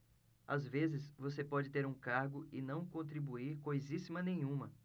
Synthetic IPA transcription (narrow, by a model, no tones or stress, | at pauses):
a̰zvezɪsvosepɔd͡ʒɪt̪eɾũkaɾɡʊʔɪnɐ̃w̃kõnt̪ɾibuiɾkojzisimɐnẽj̃ɲ̃ũmɐ